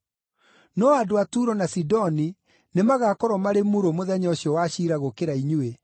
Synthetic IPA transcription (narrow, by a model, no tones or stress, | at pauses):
nɔadoatuɾɔnasidɔni | nemaɣaːkɔɾɔmaɾemuɾomoðɛɲɔɕiɔwaɕiɾaɣokeɾaiɲue